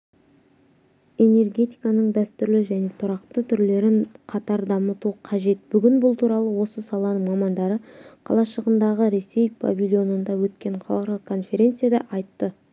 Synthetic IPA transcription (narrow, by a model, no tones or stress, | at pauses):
e̞ne̞rɡʲe̞t̪ijkɑnəɴd̪æst̪ʏɾlɪʒæne̞t̪ʰʊɾɑqt̪ət̪ʰʏɾle̞ɾɪɴqʰɑt̪ɑɾd̪ɑmət̪uqʰɑʒe̞t̪̚b̥ʏɡʲɪnbʊlˠt̪ʰuɾɑlˠəwo̞səsɑlˠɑnəŋmɑmɑnd̪ɑɾəqʰɑ̰lˠɑʃəʁənd̪ɑʁəɾe̞se̞jbʰa̰vʲilʲjo̞nənd̪ɑwɵt̪kʲe̞ɴqʰɑlˠqɾəkʰo̞nfe̞ɾʲe̞nt̪sɨjad̪ɑʔɑjt̪ːə